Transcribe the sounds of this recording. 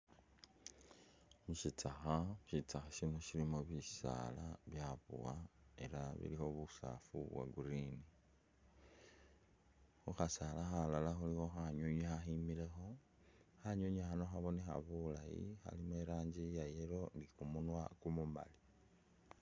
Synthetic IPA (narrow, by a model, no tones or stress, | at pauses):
muʃit͡saxaʃit͡saxaʃinoʃilimoβisa̰laβjaβṵwae̞laβḭlixo̞βusa̰fṵβwa̰ɡuɾini | xuxasalaxalalaxulixo̞xaɲuɲexaximile̞xo̞ | xaɲoɲexano̞xaβo̞nexa̰βulajḭxa̰limeɾaːɲɟijajeɾo̞ndikumunwakumuma̰li